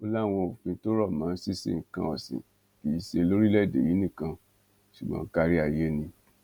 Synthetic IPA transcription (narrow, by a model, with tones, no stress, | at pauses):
o˧la˦˨w̃ɔ̃˧o˨fĩ˧˦to˦ɾɔ˦˨mãː˨˦si˦sḛ˦˨ŋ̩˨kã˧˦ɔ˨sḭ̃˨ | ki˨˦i˦˧ʃe˧lo˦ɾi˦lɛ˦˨dḛ˨ji˨˦nĩ˦˨kã˧ | ʃu˨ɡ͡bã̰˦ka˧ɾi˦a˦˨je˧˦nĩ˧